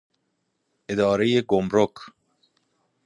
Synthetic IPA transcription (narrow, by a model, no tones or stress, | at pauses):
ʔed̪ɒːɾejeɡomɾokʰ